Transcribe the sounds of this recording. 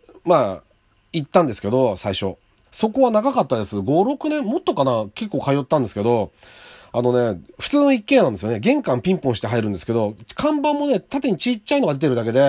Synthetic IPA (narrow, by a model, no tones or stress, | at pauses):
maː | it̪ːãnd̪e̞sɨ̥ke̞d̪o̞saiɕo̞̰ | so̞ko̞βanaɡakat̪ːad̪e̞sɨɡo̞ɾo̞kɯ̟nẽ̞mmːo̞t̪ːo̞kanake̞kːo̞ːkajo̞t̪ːãnd̪e̞sɨ̥ked̪o̞ | ano̞ne̞ɸɯ̟̥t͡sɨːno̞ikːe̞ːnãnd̪esɨjo̞neɡẽ̞ŋkãmpʲĩmpõɕi̥t̪e̞ɦaiɾɯ̟̃nd̪esɨ̥ke̞d̪o̞kʰãmbãmːo̞ne̞t̪at̪̬eɲ̟it͡ɕit͡ɕːaino̞ɡad̪et̪eɾɯ̟d̪ake̞d̪e̞